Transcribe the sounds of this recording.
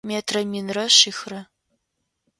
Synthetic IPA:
meːtʰrɐmiːnrɐɕixrɐ

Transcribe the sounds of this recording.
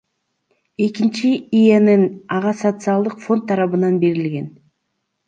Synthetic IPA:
e̞kint͡ʃiijenɯnɑʁɑsot̪sɨɑlˠd̪ɯqfo̞nt̪ʰːɑɾɑβɯnɑnbe̞ɾilɡʲe̞n

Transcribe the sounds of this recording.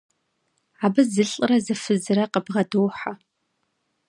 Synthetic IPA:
abɨzɨɬʼrazɨfɨzraqəbʁadowħa

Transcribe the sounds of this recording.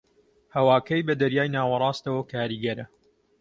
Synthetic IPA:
hɐwaːkɐjbɐd̪ɐɾjaːjnaːwɐrˤɑːst̪ɐwɐkʰaːɾiːɡɐɾɐ

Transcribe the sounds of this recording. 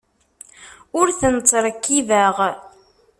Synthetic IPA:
ʊɾθənt͡sˤːɾˤəkːivæʁ

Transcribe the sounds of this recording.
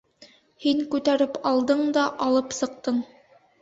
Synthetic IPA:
hiŋkʉt̪æɾɘpɑlˠd̪ɤɴd̪ɑʔɑlˠɤpsɤ̆q̚t̪ɤɴ

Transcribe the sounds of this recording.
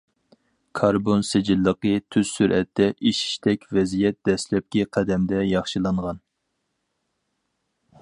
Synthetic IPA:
kʰɑɾbonsed͡ʒilːəqət̪ʰyz̥syɾɛt̪ʰːɛʔiʃi̥ʃt̪ʰɛkʲvɛzijɛt̪̚d̪ɛslɛp̚kʲɛqʰæd̪ɛmd̪ɛjɑχʃɨlˠɑɴʁɑn

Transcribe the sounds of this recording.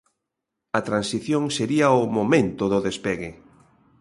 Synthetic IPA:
ɐt̪ɾansiθjoŋseɾiɐʊmomẽnt̪ʊðʊðespeɣɪ

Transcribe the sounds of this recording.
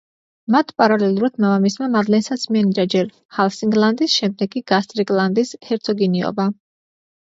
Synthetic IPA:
mat̪ʰpʼaɾalɛlˠuɾad̪̥mavamismamad̪lɛnsat̪sʰmiɛniɾad͡ʒɛɾ | halˠsiŋɡlˠand̪isʃɛmd̪ɛɡiɡ̥ast̪ʼɾiɡʼlˠand̪ishɛɾt̪sʰɔɡiniɔ̰ba

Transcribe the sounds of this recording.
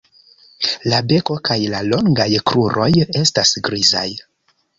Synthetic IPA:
labe̞ko̞kajlalo̞ŋɡajkɾuɾʔo̞je̞stasɡɾiza̰j

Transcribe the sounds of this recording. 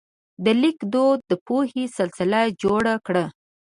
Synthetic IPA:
d̪əlikd̪od̪ːəpohesɪlsɪlad͡ʒoɽakɽa

